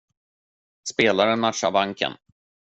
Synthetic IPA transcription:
speːlaɾənmatʂa̰vaŋkʰə̰n

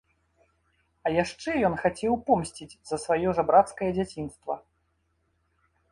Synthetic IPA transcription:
ɐjaʂt͡ʂɛjɔnxat͡sʲɛwpɔmsʲt͡sʲid͡zʲzɐsvajɔʐɐbɾat̪skɐjɐd͡zʲat͡sʲinst̪vɐ̰

